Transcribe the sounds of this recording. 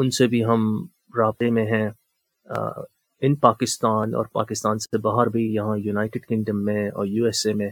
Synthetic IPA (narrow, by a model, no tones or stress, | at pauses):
ʊnsebʱiɦɐm | ɾaːt̪emẽɦɛ̰̃ | ɪnpaːkɪst̪aːnɔ̰ːɾpa̰ːkɪst̪aːnsebaːɦəɾbʱijɐɦãjuːnaːɪʈɪɖkɪ̃ŋɖəmːẽɔ̰ːɾjuːɛːsemẽ